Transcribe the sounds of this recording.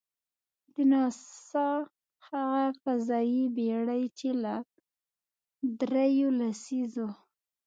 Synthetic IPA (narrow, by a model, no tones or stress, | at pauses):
d̪ənɑsɑ | haɣafazɑjibeɽəjt͡ʃela | d̪ɾejolasizo